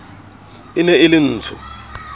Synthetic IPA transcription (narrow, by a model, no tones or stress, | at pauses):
ɪnɛɪlɪn̩ːtʰʊ